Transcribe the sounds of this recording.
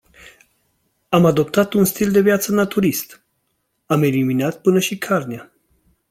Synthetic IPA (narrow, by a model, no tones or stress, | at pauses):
amad̪o̞pt̪at̪unst̪ild̪e̞vjat̪sənat̪uɾist̪ | ame̞liminat̪pɨnəʃikʰarnea